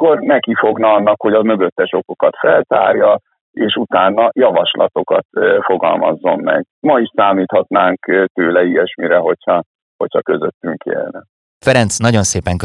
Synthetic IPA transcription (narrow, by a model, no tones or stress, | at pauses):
kːornɛkifo̞ɡnɒɒnːɒkho̞ɟɒmø̞ɡø̞t̪ːɛʃo̞kokɒt̪fɛlt̪a̰ːrjɒ | eːʃut̪aːnːɒjɒvɒʃlɒ̰t̪o̞kɒt̪fo̞ɡɒ̰lmɒ̰zːo̞mːɛ̰ɡ | mɒiʃsaːmiːt̪hɒt̪naːŋkt̪øːlɛijɛʃmiɾɛɦo̞cʰhɒ | ho̞cʰhɒkø̞zøt̪ːyŋkḛːlnɛ | fɛɾɛnt̪snɒɟo̞nseːpɛŋk